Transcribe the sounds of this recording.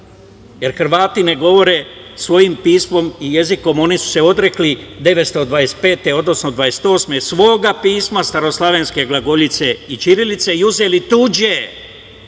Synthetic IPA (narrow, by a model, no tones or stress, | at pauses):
je̞ɾxrʋaːt̪ine̞ɡo̞ʋo̞ɾe̞ | sʋo̞jimpiːsmo̞mije̞ziko̞mo̞nisu̥se̞o̞d̪ɾe̞klid̪e̞ʋet̪st̪o̞d̪ʋaɾest̪̚pe̞ːt̪e̞o̞d̪no̞snod̪ʋaje̞se̥t̪o̞ːsme̞sʋo̞ːɡapiːsmast̪aɾo̞slˠaʋe̞nske̞ɡlˠaɡo̞ʎit̪se̞it͡ʃiɾilit̪se̞iuze̞lit̪ud͡ʑe